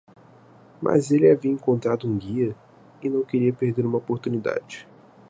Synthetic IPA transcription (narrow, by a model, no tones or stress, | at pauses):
mʔa̰zelɪaviɐẽŋkõnt̪ɾad̪ʊũɡiɐ | ɪnɐ̃w̃keɾiɐpeɾd̪eɾũmɐopoɾt̪unid̪a̰d͡ʒɪ